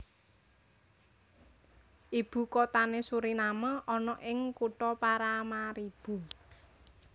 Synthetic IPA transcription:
ʔib̥ṳkɔt̪anesuɾinaməʔɔnɔʔɪŋkuʈɔpaɾamaɾib̥ṳ

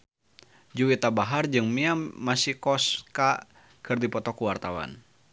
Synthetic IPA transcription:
d͡ʒuwit̪abaɦard͡ʒɨŋmiaːasihkɔska | kʰɨrdipɔt̪ɔkuwart̪awa̰n

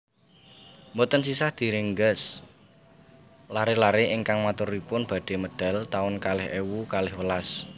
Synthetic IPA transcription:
mbɔt̪ənsisahd̪̥i̤ɾɪŋɡəs | laɾelaɾeʔɪŋkaŋmat̪ʊɾipʊnb̥a̤ɖ̥e̤məɖ̪̥a̤lt̪aʊnkalɪhewukalɪhwəlas

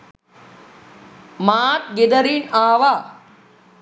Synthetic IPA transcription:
maːt̪̚ɡed̪ɐɾinaːʋa

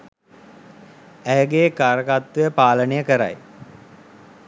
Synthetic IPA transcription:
æjəɡeːkaːɾəkat̪ʋejəpaːlənejəkəɾa̰j

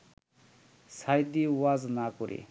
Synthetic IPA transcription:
sajd̪iwaznakuɾʔḛ

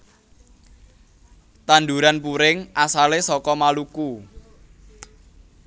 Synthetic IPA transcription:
t̪and̪uɾanpuɾɪŋʔasalesɔkɔmaluku

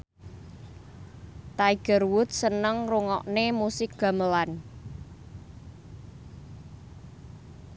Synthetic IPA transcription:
t̪aiɡ̥ə̤rwʊt̪̚sənəŋruŋɔ̰ʔnemusɪk̚ɡ̥a̤məlan

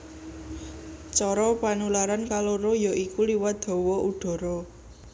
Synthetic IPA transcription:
t͡ʃɔɾɔpanulaɾankaloɾojɔʔikuliwat̪̚d̪̥ɔ̤wɔuɖ̪̥ɔ̤ɾɔ

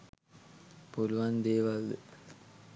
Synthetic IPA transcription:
poluʋand̪eːʋɐld̪ɨ

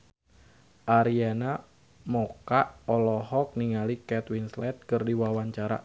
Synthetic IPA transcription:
ʔaɾiana | mɔkaʔɔlɔhɔk̚niŋalikɛt̪winslɛt̪̚kɨrdiwawaɲt͡ʃaɾa̰

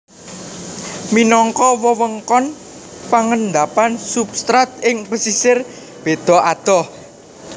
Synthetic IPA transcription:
minɔŋkɔwəwəŋkɔn | paŋənd̪apansubst̪ɾat̪̚ɪŋpəsisɪr | b̥e̤d̪̥ɔ̤ad̪̥ɔh

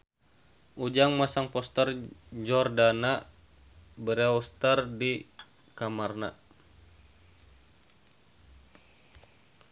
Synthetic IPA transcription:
ʔud͡ʒaŋmasaŋpɔst̪ərd͡ʒɔrdana | bəɾeɔst̪ərdi | kamarna

